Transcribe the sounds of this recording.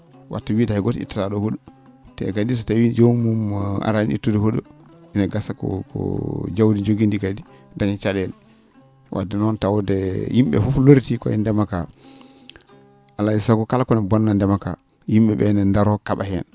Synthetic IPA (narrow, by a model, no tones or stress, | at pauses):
wʔa̰tːawiːdahɛɡɔtḭtːaɾaɗɔhoɗu | tɛ̰kadis̬ɔtawid͡ʒomuma̰ɾaniḭtːudɛhoɗuʔinaɡasakɔ̰kɔ̰d͡ʒawdid͡ʒoɡindikadi | daɲat͡ʃalɛl | wʔa̰dɛnɔntawdɛjimɓɛ̰fufloɾtikɔ̰ɛ̰ndɛmaka | ʔalːaisakukalkɔnɛbɔnːandɛmaka̰ | jimɓɛɓɛnɛndaɾɔkaɓahɛ̰n